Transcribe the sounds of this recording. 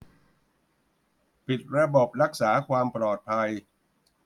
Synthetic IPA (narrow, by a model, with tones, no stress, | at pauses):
pi˨˩t̪̚ɾa˧bo˨˩p̚ɾa˦˥k̚saː˩˦kʰwaː˧mplɔː˨˩t̪̚pʰa˧j